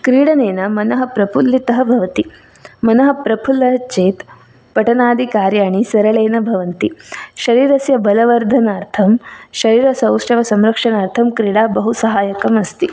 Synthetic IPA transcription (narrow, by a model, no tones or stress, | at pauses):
kɾiːɽɐneːnɐmɐnɐɦɐ̆pɾɐpʰulːit̪ɐɦɐbʱɐʋɐt̪i | mɐnɐɦɐ̆pɾɐpʰulɐɦɐt͡ʃeːt̪ | pɐʈɐnaːd̪ʱikaːɾjaːɳisɐɾɐɭeːnɐbʱɐʋɐnt̪iʃɐɾiːɾɐsjɐbɐlɐʋɐɾd̪ʱɐnaːɾt̪ʰɐmʃɐɾiːɾɐsɐ̃wʂʈɐʋɐsɐmɾɐkʂɐnaːɾt̪ʰɐmkɾiːɽaːbɐɦusɐɦaːjɐkɐmɐst̪i